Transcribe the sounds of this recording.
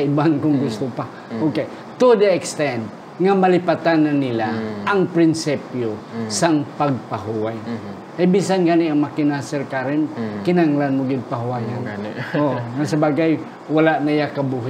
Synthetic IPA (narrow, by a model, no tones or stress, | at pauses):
ɪbankʊŋɡʊst̪ʊpa | oke | t̪ud̪əɛkst̪ɛnd̪̚ | ŋamalɪpat̪anːanɪlaʔːŋpɾɪnsipjosaŋpaɡ̚paɦuwaj | ʔajbisanɡanɪɐŋmakɪnasɛɾkaɾɪnkɪnaŋlanmoɡɪd̪̚paɦuajanoŋasɐbaɡaj | walaʔnajakɐbuɦɪ